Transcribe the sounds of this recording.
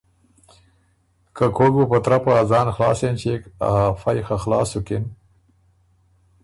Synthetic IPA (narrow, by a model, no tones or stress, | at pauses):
kakʰoɡupɐt̪ɾapaazɑːnxlɑːsent͡ɕeka̰ɦafajxaxlɑ̰ːsuken